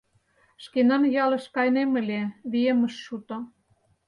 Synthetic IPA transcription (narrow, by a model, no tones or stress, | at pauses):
ʃkenɑnjɑlɤ̆ʃkɑjnemə̆lʲeβiemə̆ʃːut̪o